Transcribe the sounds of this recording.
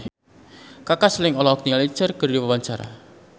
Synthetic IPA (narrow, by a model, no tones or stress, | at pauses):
kakaslɪŋɔlɔɔk̚niŋali̥t͡ʃərkərdiwawaɲt͡ʃaɾa̰